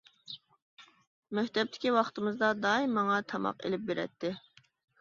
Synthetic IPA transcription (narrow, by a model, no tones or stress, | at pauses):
mɛht̪ɛp̚t̪ʰɪ̥kʲiwɑχt̪ɨmɨzd̪ɑd̪ɑːimːɑŋɑt̪ʰɑmɑ̰qḛlɪp̚beɾɛ̰t̪ːɪ